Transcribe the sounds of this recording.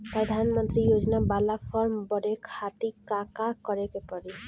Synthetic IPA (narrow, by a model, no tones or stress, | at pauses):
pɾəd̪ʱanmənt̪ɾijod͡ʒnabalapʰɔɾmbɔɾekʰat̪ikakakɔɾekepɔɾi